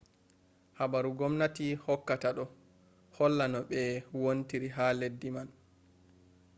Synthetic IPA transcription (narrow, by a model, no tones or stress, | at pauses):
habaɾuɡɔmnatihɔkːataɗɔ | hɔlːanɔɓɛwontiɾiɦaːledːiman